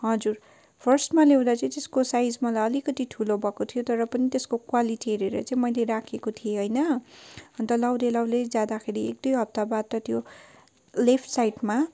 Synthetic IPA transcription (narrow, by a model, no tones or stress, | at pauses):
ɦʌd͡zur | pʰʌrsʈmalew̃d̪at͡sʌĩt̪eskosajd͡zmʌlajʌlikʌt̪iʈʰulobʱʌkot̪ʰijot̪ʌɾʌpʌnit̪eskokwaliʈieɾiɾʌ̰t͡sãĩmʌjleɾakʰekot̪ʰijeɦojnʌʌnt̪ʌlʌwd̪elʌwled͡zad̪akʰeɾiek̚d̪ujɦʌp̚t̪abad̪ʌt̪jo | lepʰʈsajʈma